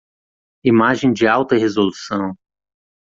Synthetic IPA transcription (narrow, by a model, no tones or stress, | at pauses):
imaʒẽj̃d͡ʒɪawt̪ɐɦezolusɐ̃w̃